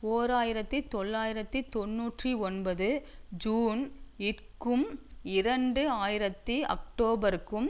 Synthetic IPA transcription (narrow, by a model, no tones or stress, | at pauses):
oːɾaːjɪɾɐt̪ːit̪ɔɭːaːjɪɾɐt̪ːit̪ɔnːuːʈriɔnbɐðɯd͡ʒuːnɪʈ | kɯmɪɾɐɳɖɯaːjɪɾɐt̪ːiɐ̰k̚ʈoːbɐɾkːɯm